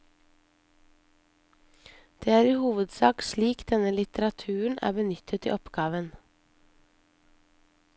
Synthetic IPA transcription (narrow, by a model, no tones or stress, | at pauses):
d̪̥eːæːɾiːhuːʋəd̪sɑːkʃliːkd̪̥ɛnəlɪt̪əɾɑt̪ʰʉːəɳ̩ʔæ̰ːbənʏt̪ʰət̪ḭːɔpɡɑːʋən